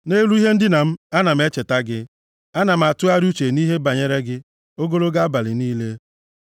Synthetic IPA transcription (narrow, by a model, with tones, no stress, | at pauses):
ne˦ɾu˦i˦ɦe˦n̩˦dɪ˦na˨m̩˦a˦na˨m̩˦e˦t͡ʃe˨ta˦ɡɪ˦ | a˦na˨m̩˨a˨tʊ˦a˦ɾu˦t͡ʃe˨ni˦ɦe˦ba˨ɲe˦ɾe˦ɡɪ˦ | o˦ɡo˦ɾo˦ɡa˦ba˨lɪ˨niː˦le˦